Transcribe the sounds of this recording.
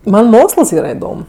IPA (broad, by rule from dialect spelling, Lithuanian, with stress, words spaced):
ˈmɐn ˈmoːksəlˠs ˈiːrɐ ɪˈdoːm